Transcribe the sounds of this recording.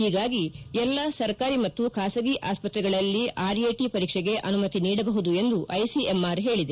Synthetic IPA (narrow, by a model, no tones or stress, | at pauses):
hiːɡaːɡiɛlːɐsɐɾkaːɾimɐt̪ːukʰaːsɐɡiʔaːspɐt̪ɾɛɡɐɭɐlːiʔaːɾeːʈipɐɾiːkʂɛɡe̞ʔɐnumɐt̪iniːɽɐbɐɦud̪ue̞nd̪uʔɐjsiemaːɾɦe̞ːɭid̪e